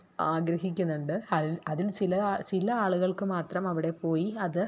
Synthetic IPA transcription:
aːɡɾɐɦikʲːunːuɳɖɨɐðilɐðilt͡ɕilɐt͡ɕilɐaːɭuɣɐɭkɨmaːt̪rɐmɐʋiɽe̞po̞ːjiɐðɨ

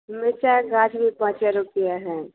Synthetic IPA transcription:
mɪt͡ʃaɡãːd͡ʒʰbʱipãːt͡ʃaɾʊpɪjaɦɛː

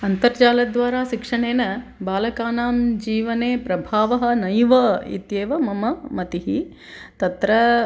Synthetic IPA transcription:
ɐnt̪ɐɾt͡ʃaːlɐd̪ʋaːɾaːʃikʂɐɳeːnɐbaːlɐkaːnaːmd͡ʒiːʋɐneːpɾɐbʱaːʋɐɦɐ̆nɐjʋɐḭt̪jeːʋɐmɐmɐmɐt̪iɦi | t̪ɐt̪ɾɐ

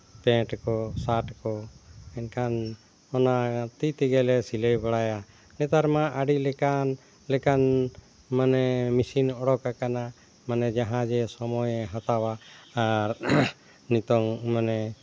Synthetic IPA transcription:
pɛ̃ʈkɔsaʈkɔɛnkʰan | ɔnat̪it̪ɛɡɛlɛsiləjbaɽaja | nɛt̪aɾmaʔaɖilɛkan | lɛkan | manɛmisinɔɽɔkakana | manɛd͡ʒaɦãd͡ʒɛsɔmɔjɛɦat̪awaː | ɾ | nit̪ɔŋmanɛ

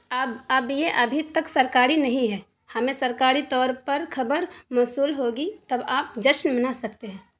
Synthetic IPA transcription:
ɐbɐbjeʔɐbʱit̪ɐksɐɾkaːɾinɐɦĩɦɛː | hɐmẽsɐɾkaːɾit̪ɔːɾpɐɾkʰɐbəɾmɔːsuːlɦoːɡit̪ɐbaːp̚d͡ʒəʃnmənasɐkt̪eɦɛ̃ː

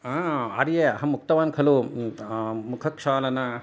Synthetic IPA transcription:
aɐ̰ɾjeɐɦɐmuk̚t̪ɐʋaːnkʰɐlu | mukʰɐkʂaːlɐnɐ

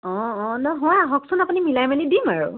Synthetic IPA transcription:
ɔ̃ɔ̃nɔɦɔjaɦɔksɔnapunimilajmanidimaɹu

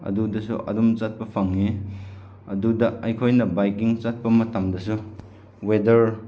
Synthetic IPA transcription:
ɐ̰dudɐsuʔɐ̰dumt͡ʃat̚pɐpʰaŋni | ɐdudɐɐjkʰojnɐbajkiŋt͡ʃat̚pɐmɐtamdɐsu | wedɐɾ

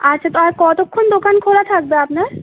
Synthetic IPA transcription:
atːɕʰat̪oakɔt̪okʰːond̪okankʰolat̪ʰak̚beapnaɾ

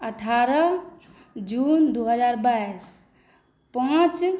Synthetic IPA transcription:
əʈʰaɾə | d͡ʒund̪uɦəd͡ʒaɾbais | pãt͡ʃ

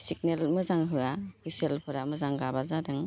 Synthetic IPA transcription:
sik̚nelmɯzaŋɦɯapʰiselpʰɯɾamɯzaŋɡabazadɯŋ

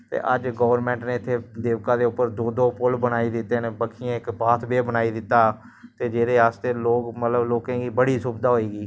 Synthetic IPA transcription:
t̪ḛːʔəd͡ʒɡəːʋəɾmɛ̃ːɳʈnẽːɪt̪ʰːeːd̪eːʋkãːd̪eːʊpːəɾd̪oːd̪oːpʊlbənaːiːd̪ɪt̪ːeːnebəkʰɪjãɪkbaːt̪ʰbeːbənaːid̪ɪt̪ːaː | t̪eːd͡ʒeːɾeːaːst̪eːloːkmət̪ləbloːkãːɡiːbəɽiːsʊbd̪aːɦoːiːɡiː

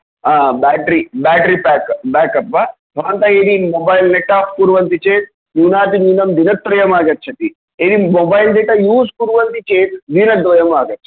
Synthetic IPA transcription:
aːbaːʈɐɾibaːʈɐɾipaːkbaːkɐpːɐ | b̥ʱɐɾʋɐnt̪ɐeːd̪imobɐjlneʈːaːpkuɾʋɐnt̪it͡ʃeːt̪̚ | nuːnaːt̪imiːnɐmd̪inɐt̪ːɾɐjɐmaːɡɐtːt͡ʃʰːɐt̪i | eːd̪imobɐjlɖ̪eʈɐjuːskuɾʋɐnt̪it͡ʃeːt̪d̪inɐd̪ʋɐjɐmaːɡɐtːt͡ʃʰːɐ̥

